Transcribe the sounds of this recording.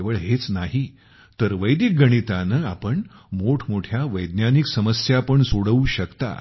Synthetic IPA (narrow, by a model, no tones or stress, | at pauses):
ʋəɭɦet͡snaɦi | t̪əɾʋəjd̪ik̚ɡəɽ̃it̪anəapəɳ | moʈʰmoʈʰjaʋəjd̪njaniksəməsjapəɳsoɽəuɕəkt̪a̰